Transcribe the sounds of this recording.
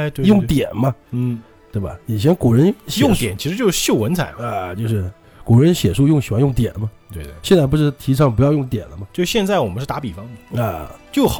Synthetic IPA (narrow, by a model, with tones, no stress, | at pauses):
t̪we˧jʊ˥˩ŋt̪jɛ˨˩nmɐ˦n̩˥˩ | t̪we˥˩bɐ̰˩ɛ˨˩ɕ̬ʰjɛ˧˥nku˨˩ɻə˧˥nɕjʊ˥˩ŋtt̪jɛ̰˨˩˦nt͡ɕʰi˧˥ʂɻ̩˧t͡ɕjo˥˧ʊʂɻ̩˥˩ɕjo˥˩ʊwə˧˥nt͡sʰa̰˨˩˦ɪa˧t͡ɕjo˥˧ʊʂɻ̩˥˩ | ku˨˩ɻə˧˦˥nɕjɛ˨˩ʂu˥˧jʊ˥˩ŋɕi˨˩xwa˥˧njʊ˥˩ŋt̪jɛ̰˨˩˦nmɐ˦t̪we˥˩˧ɕjɛ˥˧nt͡sa˥˩ɪpu˧˥ʂɻ̩˥˩t̪ʰi˧˥ʈ͡ʂʰɑ˥˩ŋpu˧˥jɑ˥˧jʊ˥˩ŋt̪jɛ̰˨˩nlə˦mɐ˧t͡ɕjʊʂɕjɛ˥˧nt͡sa˥˩ɪwɔ˨˩mə˦nʂɻ̩˥˩t̪a˧˥pi˨˩fɑ˥ŋd̪ə˨a˧˩t͡ɕjo˥˩ʊx